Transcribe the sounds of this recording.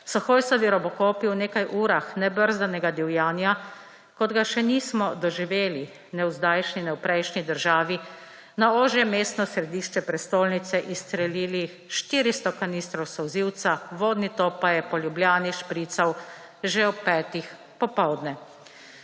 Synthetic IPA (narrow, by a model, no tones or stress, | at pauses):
sɔxoːjsɔʋiɾɔbɔkoːpiwneːkajʔuːɾaxnɛbəɾzd̪anɛɡad̪iwjaːnja | kɔd̪ɡaʃɛniːsmɔd̪ɔʒiʋeːli | nɛwzd̪aːjʃninɛwpɾɛjʃnid̪əɾʒaːʋi | naoːʒjɛmeːst̪nɔsɾɛd̪iːʃt͡ʃɛpɾɛst̪oːlnit̪sɛʔist̪ɾɛliːli | ʃt̪iːɾist̪ɔkaniːst̪ɾɔwsɔwziwt̪saʋoːd̪nit̪opajɛpɔljubljaːniʃpɾiːt̪saw | ʒɛɔpːɛːt̪ix | pɔpɔwd̪nɛ